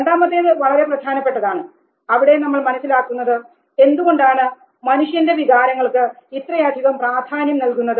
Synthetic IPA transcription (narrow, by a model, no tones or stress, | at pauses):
ɾeɳɖaːmɐt̪ːeðɨʋɐɭɐɾe̞prɐd̪ʱaːnɐpːe̞ʈːɐðaːɳɨ | ɐʋiɽenɐmːɐɭmɐnɐsːilaːkːunːɐðɨ | e̞nd̪uɣo̞ɳɖaːɳɨ | mɐnuʂjɐnde̞ʋiɣaːɾɐŋːɐɭkɨit̪rɐjaːd̪ʱiɣɐmpraːd̪ʱaːnjɐmnɐlkunːɐðɨ